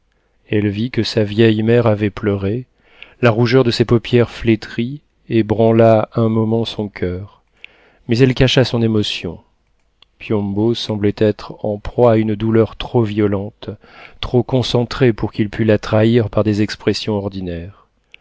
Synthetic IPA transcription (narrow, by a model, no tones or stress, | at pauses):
ɛlvikəsavjɛjmɛʁavɛplœʁe | laʁuʒœʁd̪əsɛpɔpjɛʁflet̪χi | ebʁɑ̃laɛ̃mɔmɑ̃sɔ̃kʲʰœːʁ | mɛzɛlkaʃasɔ̃nemɔsjɔ̰̃ | pjɔ̃bosɑ̃blɛt̪ɛt̪χɑ̃pχwaːynd̪ulœʁt̪χovjɔlɑ̃t̪ː | χokɔ̃sɑ̃t̪χepuʁkilpʰylat̪χaiʁpaʁd̪ezɛkspχɛsjɔ̃ɔʁd̪inɛʁ